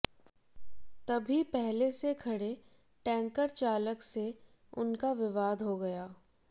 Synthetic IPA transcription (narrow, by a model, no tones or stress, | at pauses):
t̪ɐbʱipɛɦlesekʰɐɽe | ʈɛ̃ːŋkəɾt͡ʃaːləkse | ʊnkaʋɪʋaːd̪ɦoɡɐjaː